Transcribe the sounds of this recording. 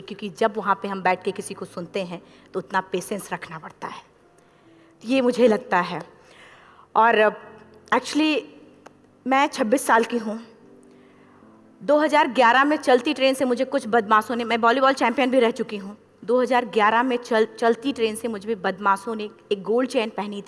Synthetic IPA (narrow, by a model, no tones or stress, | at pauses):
kjõːkid͡ʒɐbʋɐɦãpeɦɐ̃mbɛːʈʰkekɪsikosʊnt̪eɦɛ̃ | t̪oʊt̪napeːsɛ̃nsɾɐkʰnapɐɽt̪a̰ɦɛː | t̪ojemʊd͡ʒʱelɐɡ̚t̪aɦɛː | ɔːɾ | ɛːk̚t͡ʃəli | mɛ̃ːt͡ʃʰɐbːisːaːlkiɦũ | d̪oːɦɐzaːɾɡjaːɾamẽt͡ʃɐlt̪iʈɾeːnsemʊd͡ʒʱekʊt͡ʃʰbɐd̪̚maːsõnemɛ̃ːbɔːlibɔːlt͡ʃɛ̃ːmpijənbʱiɾɛɦt͡ʃʊkiɦũ | d̪oːɦɐzaːɾɡjaːɾamẽt͡ʃɐlt͡ʃɐlt̪iʈɾeːnsemʊd͡ʒʱbẽbɐd̪maːsõneeːk̚ɡoːlɖt͡ʃɛːnpɛɦnit̪ʰ